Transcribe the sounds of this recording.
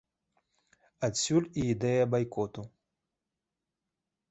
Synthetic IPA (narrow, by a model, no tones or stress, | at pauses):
ɐtsʲulʲiid̪ɛjɐbajkɔt̪u